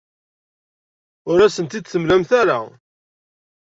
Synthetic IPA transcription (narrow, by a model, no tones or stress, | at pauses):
ʊɾæsənt̪id̪θəmlæmθæɾa̰